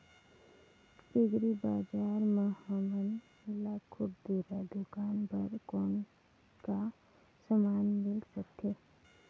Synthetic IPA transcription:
pɪɡɾibaːd͡ʒaːɾməhəmən | ɪlakʰʊʈd̪uːɾad̪ʊkaːnpəɾkɔːn | ka | səmaːnmɪlsəkt̪ʰeː

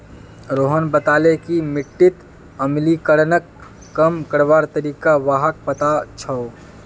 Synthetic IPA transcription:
ɾoːɦənbət̪aːlekimɪʈːɪt̪ | əmlikəɽnəkː | əmkəɾʋaːɾt̪əɾiːkaʋaːɦək̚pət̪at͡ʃʰəo

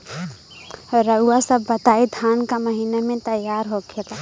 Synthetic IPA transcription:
ɾəuasəbːət̪aid̪ʱankaməɦinamẽt̪əjaɾɦokʰela

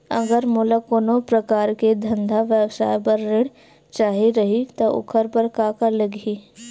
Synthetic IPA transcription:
ɐ̰ɡəɾmʊlakoːnõpɾɐkaːɾked̪ʱə̃nd̪ʱaʋjəbʃa̰ːjpəɾːɪɽ | t͡ʃaːɦiɾɐɦit̪oʔʊ̰kʰəɾpəɾkaːkaləɡiː

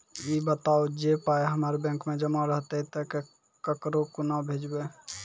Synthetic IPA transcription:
ibət̪aod͡ʒepaeɦəməɾbɛ̃ŋkmed͡ʒəmaɾəɦt̪əit̪əke | kəkɾokunabʱed͡ʒbe

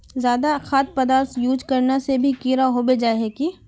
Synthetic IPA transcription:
zjaːd̪axaːt̪̚pɐd̪aːɾt̪ʰjuːd͡ʒkɐɾnasebʱikiːɾaɦoːbed͡ʒaːɦeki

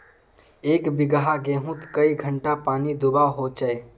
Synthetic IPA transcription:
eːkbɪɡɦaɡẽːɦũt̪kəiɡʱəɳʈapaːnid̪ubaɦot͡ʃəe

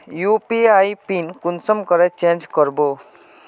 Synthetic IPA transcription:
juːpiaipinkʊnsəmkəɾet͡ʃẽːnd͡ʒkəɾboː

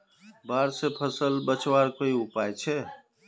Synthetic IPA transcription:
baːɾsepʰəsəlbət͡ʃwaːɾkoiʊpaːjt͡ʃʰɛ

